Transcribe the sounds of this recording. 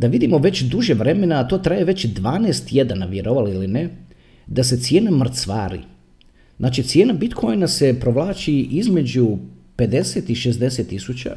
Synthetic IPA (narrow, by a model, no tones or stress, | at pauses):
d̪aʋid̪imo̞ʋe̞t͡ɕd̪uʒeʋɾe̞me̞naːt̪o̞ːt̪ɾajeʋe̞t͡ɕd̪ʋaːneːst̪je̞d̪anaʋje̞ɾoʋaliline | d̪ase̞t̪sje̞ːnamr̩t̪sʋaːɾḭ | znʔaːt͡ʃit̪sjeːnabit̪kʰo̞jnase̞pɾo̞ʋlaːt͡ʃiʔizme̞d͡ʑupe̞d̪e̞set̪iʃe̞zd̪e̞set̪ːisut͡ɕa̰